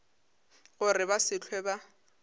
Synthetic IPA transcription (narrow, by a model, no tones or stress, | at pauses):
ɣʊrɪbasɪt͡ɬʰwɛba